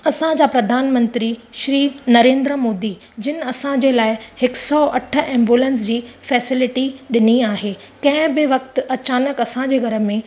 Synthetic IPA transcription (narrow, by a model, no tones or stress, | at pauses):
ɐsãd͡ʑaːpɾɐd̪ʱaːnmə̃nt̪ɾiʃɾiːnɐɾẽːnd̪ɾəmoːd̪i | d͡ʑɪnɪ̆ɐsãd͡ʑelaːɪhɪksɔʔɐʈʰə̆ɛ̃ːmbjuːlə̃nsd͡ʑiːfɛːsɪlɪʈiɗɪniaːɦe | kɐ̃ɦɪ̃bɪʋɐkt̪ɐt͡ɕaːnəkɐsãd͡ʑeːɡʱɐɾə̆mẽ